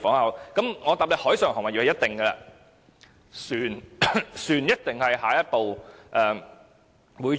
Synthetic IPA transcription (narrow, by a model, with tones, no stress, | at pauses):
fɔː˨˥ŋhɐ˨˥wkɐ˨˦mŋɔː˨˧t̪aː˨p̚le˨k̚hɔː˨˥jsœː˨˩ŋhɔː˨˩ŋmɐ˨˩ji˨˩˨jɐ˥t̪̚t̪ɪ˨ŋɡɛ˧la̰ː˧ | syː˨˩nsyː˨˩njɐ˥t̚t̪ɪ˨ŋhɐ˨jɦaː˨jɐ˥t̚po˨wʔɛː˨˩ | wuː˨˧j